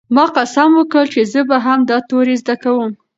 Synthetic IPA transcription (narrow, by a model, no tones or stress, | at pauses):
mɑqasamwəkɽəlt͡ʃezəbaɦamd̪ɑt̪oɾezd̪akawəm